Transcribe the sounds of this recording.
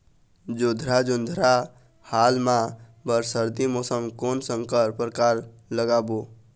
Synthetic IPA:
d͡ʒod̪ʱɾad͡ʒʊnd̪ʱɾa | halmã | bəɾsəɾd̪imosəŋɡkonsə̃ŋkəɾpɾəkaɾ | ləɡabo

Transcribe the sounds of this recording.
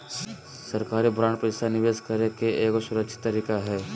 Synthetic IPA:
sɐɾkaːɾibʱɾãːɳɖpɾəesanɪʋeːskɐɾekeeːkosʊɾəkʃʰɪ̥t̪ːɐɾiːkaɦɛː

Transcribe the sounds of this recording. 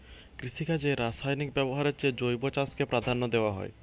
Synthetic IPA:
kɾisikad͡ʒeɾasajnikbɛbɔɦaɾet͡ʃed͡ʒojbɔt͡ʃaskepɾad̪ʱanɔd̪ewaɦɔ̰ḛ

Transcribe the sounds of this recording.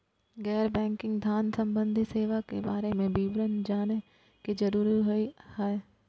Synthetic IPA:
ɡɛːɾbɛ̃ːŋkɪ̃ŋɡd̪ʱjaːnsə̃mbə̃nd̪ʱiseːʋakḛbaːɾemẽbiːbɾənd͡ʒaːne | ked͡ʒəɾuːɾiɦoihɛe

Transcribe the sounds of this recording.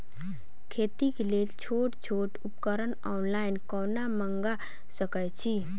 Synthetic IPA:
kʰet̪ikelelt͡ʃʰoʈt͡ʃʰoʈupkəɾənɔnlainkɔnaməŋɡa | səkət͡ʃʰi

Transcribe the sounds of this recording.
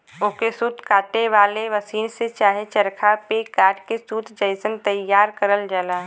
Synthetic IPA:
ʊkesuːt̪kaːʈeʋaːleʋəsiːnset͡ʃaːɦet͡ʃəɾkʰapekaːɾʈkesuːt̪ʰd͡ʒəɪsənt̪əjːaːɾkəɾəld͡ʒəlaː

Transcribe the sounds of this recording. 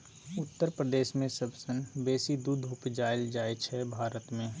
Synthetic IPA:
ʊt̪ːəɾpɾəd̪eːʃmẽsɐbsənbeːsid̪uːd̪ʱʊpd͡ʒaːɪld͡ʒaːet͡ʃʰɛbʱaːɾət̪mẽ

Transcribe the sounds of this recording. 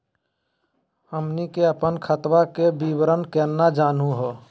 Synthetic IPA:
həmnikeəpənkʰət̪wakebibɾənkɛnːad͡ʒanũɦɔ

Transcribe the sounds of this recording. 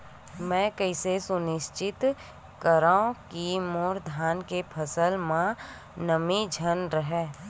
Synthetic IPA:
mɛ̃ːkəɪsesʊnɪʃt͡ʃɪt̪ | kəɾaːõkiːmoɔːɾd̪ʱaːnkepʰəsəlmã | nəmid͡ʒʱənɾəɦɛː

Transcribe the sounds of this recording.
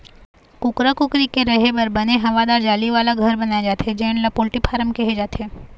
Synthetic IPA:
kʊkɾakʊkɾikeɾɐɦebɐɾbɐneɦɐʋad̪aːɾd͡ʒaːliʋaːlaɡʱɐɾbɐnaːjad͡ʒaːt̪eɦɛd͡ʒɛɪɳlapoːlʈipʰaːɾəmkeɦed͡ʒaːt̪eː

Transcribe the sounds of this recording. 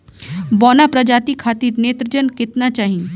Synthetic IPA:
bɔːnapɾəd͡ʒaːt̪ikʰaːt̪iːɾneːt̪ɾəd͡ʒənkɪt̪nat͡ʃaːɦĩe

